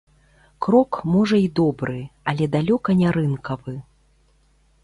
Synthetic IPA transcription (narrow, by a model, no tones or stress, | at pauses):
kɾɔkmɔʐɐid̪ɔbɾɨɐlʲɛd̪alʲɔkɐnʲaɾɨnkɐvɨ